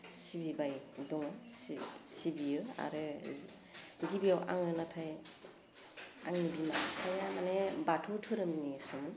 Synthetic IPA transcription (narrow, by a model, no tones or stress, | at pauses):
sibibajdɔŋɔssibiɯa̰ɾɯ | ɡibijawʔa̰ŋɯnatʰaj | aŋibimatʰajamanebatʰotʰɯɾɯmnisɯmɯn